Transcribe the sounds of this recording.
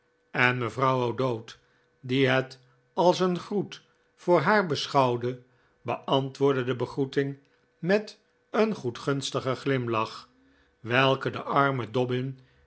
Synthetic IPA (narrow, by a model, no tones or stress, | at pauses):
ɛnməvrɑwowdowt | diɦɛt | ɑlˠsənχrut | fʊːɹɦaːɹbəsχɑwdə | bəʔɑntʋʊːɹdədəbəχrutɪŋ | mɛt | ənχutχɵnstəχəχlɪmlɑχ | ʋɛlˠkədəʔɑɹmədɔbɪn